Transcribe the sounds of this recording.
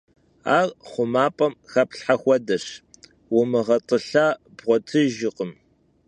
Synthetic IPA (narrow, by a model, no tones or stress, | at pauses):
a̰ːrχʷʊmaːpʼɐmxɐpʰɬħaxʷɔdɐɕ | wʊmɨʁɐtʼɨɬaːb̥ʁʷɔtʰɨʒɪqʼəm